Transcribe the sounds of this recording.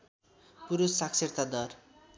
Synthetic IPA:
puɾusːakʰseɾt̪ʰad̪ʌr

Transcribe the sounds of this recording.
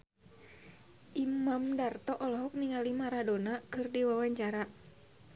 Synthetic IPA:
ʔimamdart̪ɔʔɔlɔɦɔk̚niŋalimaɾadonakɨrdiwawaɲt͡ʃaɾa

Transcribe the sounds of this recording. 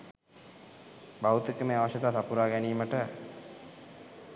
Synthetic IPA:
bawut̪ekəmeːaʋaʃet̪aːsapuɾaːɡɛniːməʈə

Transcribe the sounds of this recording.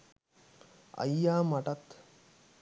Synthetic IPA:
ɐ̰jːaːmɐʈɐt̪

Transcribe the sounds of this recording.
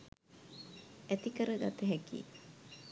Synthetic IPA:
æt̪ikəɾəɡat̪əɦækḭː

